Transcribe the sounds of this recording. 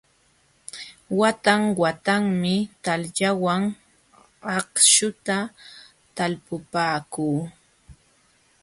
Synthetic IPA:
wat̪aŋwat̪aŋmɪt̪alʎawaŋ | ɑqʃʊt̪a | t̪alpʊpaːkuː

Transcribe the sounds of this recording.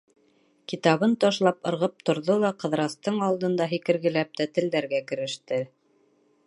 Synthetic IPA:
kit̪ɑβɤnt̪ɑʃlˠɑpɤ̆ɾʁɤp̚t̪ŏɾðolˠɑqɤ̆ðɾɑst̪ɤɴɑlˠd̪ɤ̆nd̪ɑɦikɘ̆ɾɡɘ̆læp̚t̪æt̪ɘ̆ld̪æɾɡækɘ̆ɾɘ̆ʃt̪ɘ

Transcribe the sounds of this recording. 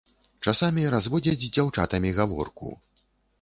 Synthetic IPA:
t͡ʂasamʲiɾazvɔd͡zʲɐd͡zʲd͡zʲawt͡ʂa̰t̪ɐmʲiɣavɔ̰rkṵ

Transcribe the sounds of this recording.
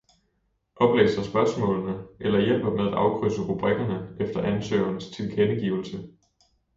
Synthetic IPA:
ʔɒ̽b̥lḛːsɐsb̥ɶɐsmɔ̰̽ːlnəʔelɐjel̰b̥ɐmeð̞ˠæd̥ɑ̈ʊkʰʁøsəʁub̥ʁɛɡ̥ɐnəʔefd̥ɐʔænsø̰ːɐnst͡sʰe̝lkʰenəɡ̥iːʊl̩sə

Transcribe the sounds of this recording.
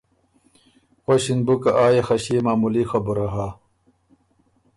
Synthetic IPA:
xoɕinbukɐʔaːjexɐɕimaːmulixɐbuɾɐɦa

